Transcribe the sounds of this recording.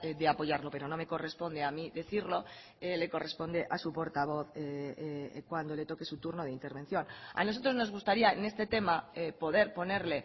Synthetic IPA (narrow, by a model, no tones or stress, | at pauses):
ðe̞apo̞ʝaɾlo̞pe̞ɾo̞no̞me̞ko̞re̞spo̞nd̪eamiðe̞θiɾlo̞ | ele̞ko̞re̞spo̞nd̪e̞ʔasupo̞ɾt̪aβ̞o̞θe | kwand̪ole̞t̪o̞ke̞sut̪uɾno̞ð̞eint̪e̞ɾβe̞n̟θjo̞na̰no̞s̬o̞t̪ɾo̞zno̞zɣust̪aɾiaene̞st̪e̞t̪e̞maepo̞ðe̞ɾpo̞ne̞ɾle̞